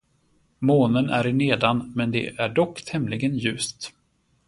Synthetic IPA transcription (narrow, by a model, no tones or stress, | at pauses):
moːnənæɾɪneːd̪anmɛnd̪ɛ̰ʔæɖɔkːt̪ʰɛmlɪɡənjʉ̟ːst̪